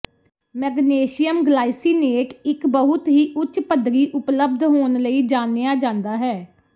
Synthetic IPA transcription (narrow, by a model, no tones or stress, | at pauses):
mɛɡneːʃɪjəmɡlaːisiːneːʈɪkbəɦʊt̪ɦiːʔʊt͡ʃpəd̪ɾiːʔʊpləb̚d̪ɦoːnləiːd͡ʒaːnejaːd͡ʒãːnd̪aːɦɛː